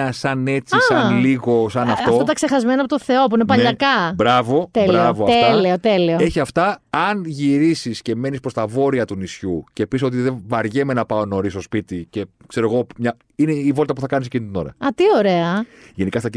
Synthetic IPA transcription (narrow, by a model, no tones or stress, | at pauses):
ɐsɐne̞t͡sissɐnliɣo̞sɐnɐft̪ɐoft̪ot̪ɐkse̞xɐzme̞nɐpot̪oθe̞o̞p̬uinepɐʎɐkɐbɾɐvo̞t̪elɾɐvoɐfeleot̪elioeçiɐft̪ɐːnʝiɾisisce̞me̞nispɾost̪ɐvo̞ɾiɐt̪unisçuce̞piso̞t̪iðevɐɾʝeme̞nɐpɐo̞no̞ɾist̪o̞spit̪ice̞ | kse̞ɾoɣo̞mɲɐ | ineivo̞lt̪ɐpuθɐkɐnis̬ecinit̪ino̞ɾɐ̰ɐt̪io̞ɾe̞ɐʝe̞nikɐst̪ɐci